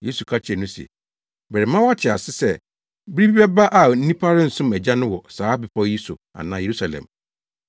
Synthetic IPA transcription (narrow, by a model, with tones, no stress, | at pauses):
je˦su˨kʰa˦t͡ɕʰɪ˨ɛ˨nʊ̃˦sɛ̰˨ | bɛ˨ɾɪ˨mã˦wa˦tʰɪ˨a˨sɪ˦sɛ˦ | bi˦ɾi˦bi˦bɛ˦ba˦ʔa˨n̩˦nĩ˦pʰa˦ɾɪ˦n̩˨sʊ̃˦mɛ˨d͡ʑa˦nʊ̃˦wɔ˨saː˨˦bɪ˨pʰɔ˦ji˦sʊ̰˨a̰˨nãː˨˦je˨ɾu˦sa˨lɛ̰̃˨m